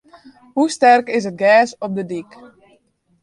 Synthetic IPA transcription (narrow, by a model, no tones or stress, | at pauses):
hustɛrkɪs̬ət̚ɡɛːsɔp̚dədik